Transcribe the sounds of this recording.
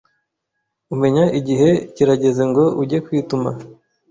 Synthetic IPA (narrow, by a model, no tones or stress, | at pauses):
ume̞ɲaʔiɟiɦe̞ciɾaɟe̞ze̞ŋɡo̞ʔuɟe̞kwiːtuma̰